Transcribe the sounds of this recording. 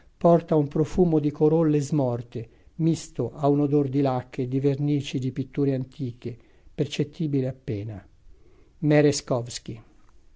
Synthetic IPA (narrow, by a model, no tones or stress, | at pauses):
pɔrt̪aumpɾofuːmod̪ikoɾolːezmɔrt̪e | mist̪oʔaunod̪ord̪ilakʰːed̪iverniːt͡ʃid̪ipit̪ːuːɾeant̪ʰiːk̟e | pert͡ʃet̪ʰːiːbileapːɛːna | mɛɾeskɔvsk̟i